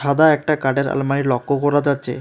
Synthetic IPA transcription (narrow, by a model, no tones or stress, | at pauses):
ʃad̪aɛk̚ʈakaɖeɾa̰lmaiɾlɔkːokɔɾad͡ʑatːɕʰḛ